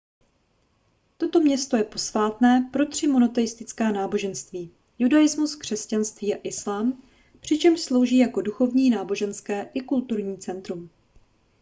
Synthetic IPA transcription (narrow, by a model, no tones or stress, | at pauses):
t̪o̞t̪o̞mɲɛst̪o̞jɛpo̞svaːt̪nɛːpɾo̞t̪r̝̥ɪmo̞no̞t̪ɛjɪst̪ɪt͡skɛːnaːbo̞ʒɛnst̪viː | judajɪzmuskr̝̥ɛscanst̪viːaʔɪslaːm | pr̝̥ɪt͡ʃɛmʃslo̞wʒiːjako̞duxo̞vɲiːnaːbo̞ʒɛnskɛːʔɪkult̪uɾɲiːt͡sɛnt̪ɾum